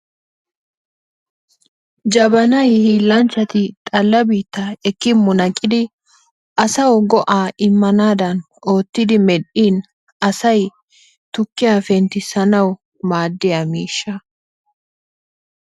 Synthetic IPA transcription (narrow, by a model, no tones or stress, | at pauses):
d͡ʒɐbɐnɐjhilːɐnt͡ʃːɐt̪ɪt̪ʼɐlːɐbiːt̪ːɐɛkːɪmːʊnɐkʼːɪd̪ɪ | ʔɐsɐwɡɔʔaːɪmːɐnaːd̪ɐn | o̞ːt̪ːɪd̪ɪmɛɗiːn | ɐsɐj | t̪ʊkːɪjaːfɛnt̪ɪsɐnɐw | maːd̪ːɪjɐmiːʃːɐ